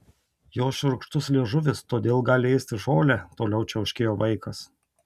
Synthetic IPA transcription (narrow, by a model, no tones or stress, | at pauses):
joːsʃʲʊɾʊkʃt̪ʊslʲeːʒʊʋʲɪst̪oːd̪ʲeːlˠɡɑːlʲɪɛɪst̪ʲɪʒoːlʲæt̪oːlʲɛʊt͡ʃʲɛɐʊʃʲkʲeːjoːʋɐɪkɐs